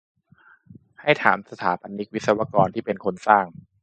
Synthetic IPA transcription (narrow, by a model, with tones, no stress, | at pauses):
ha˥˩jt̪ʰaː˩˦msa˧t̪ʰaː˩˦ba˧nːi˦˥k̚wi˦˥t̪̚sa˧wa˧kɔː˧nt̪ʰiː˥˩pe˧nkʰo˧nsaː˥˩ŋ